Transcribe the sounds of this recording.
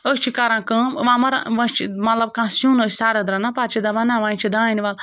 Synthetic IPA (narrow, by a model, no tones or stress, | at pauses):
əsʲt͡ʃʰikɐɾãːkə̃ʋãːmɐɾaʋɐ̃st͡ʃʰimɐt̪lɐb̚kãːsjũːnəsʲsaːɾɐd̪ɾɐnapat͡ʃʰid̪ɐʋɐnãːʋãːt͡ʃʰid̪ãːiniʋal